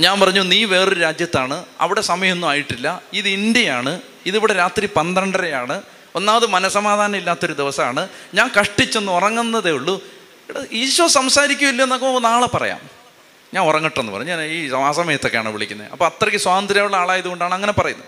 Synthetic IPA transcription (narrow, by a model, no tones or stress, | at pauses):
ɲaːnpɐrɐɲːuniːʋe̞ːrɨɾaːd͡ʑjɐt̪ːaːɳɨɐ̰ʋiɽe̞sɐmɐjɐmenːuaːjiʈːilːɐiðɨind̪jɐjaːɳɨ | iðiʋiɽeɾaːt̪ripɐnd̪ɐɳɖɐɾejaːɳɨ | o̞nːaːmɐðɨmɐnɐsɐmaːd̪ʱaːnɐmilːaːt̪ːo̞ɾud̪iʋɐsɐa̰ːɳɨɲaːnkɐʂʈːit͡ɕːenːuorɐŋːunːɐðeuɭːu | iɽeiːɕwɐsɐmsaːɾikʲːumilːɐenːokːɐonaːɭepɐrɐ̰ja̰ːm | ɲaːnorɐŋːiʈːenːɨpɐrɐɲːuɲaːniːaːsɐmɐjɐt̪ːo̞kːejaːɳɨʋiɭḭkʲːunːɐ̰ɐpːoːɐt̪ːrɐkːɨswaːɐnd̪ɾijaːjuɭːɐaːɭaːjiðuko̞ɳɖaːɳɨɐŋːɐne̞pɐrɐjunːɐ